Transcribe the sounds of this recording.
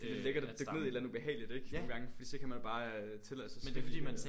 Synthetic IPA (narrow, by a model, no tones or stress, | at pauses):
deleɡ̥ɐded̥øɡneiedlæn̩ˠub̥e̝ɦɛ̰ːɪlid̥eɡ̥nːɡ̥ɑ̈ŋəfɒ̽d̥ḭːsɒ̽kʰæmænjo̝b̥ɑ̈ː | t͡sʰe̝læsɑsmen̥efdḭːmæn